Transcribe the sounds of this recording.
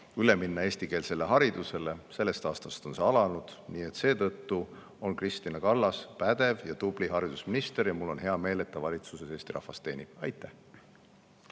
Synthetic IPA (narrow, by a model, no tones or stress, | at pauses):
yle̞minːɑeːst̪ike̞ːlse̞lːe̞ɦɑɾid̪use̞le̞se̞lːe̞st̪ɑːst̪ɑst̪o̞nseɑlɑnud̪̥niːe̞t̪se̞ːt̪ɤ̞t̪ːu | o̞nkrist̪inɑkɑlːɑspæd̪̥e̞vjɑd̪ub̥liɦɑɾid̪̥usminist̪e̞ɾjɑmulːo̞nɦe̞ɑme̞ːle̞t̪ːɑvɑlʲit̪suse̞se̞ːsʲt̪iɾʔɑ̰hvɑst̪ːe̞ːnib̥ɑjt̪ːˑæ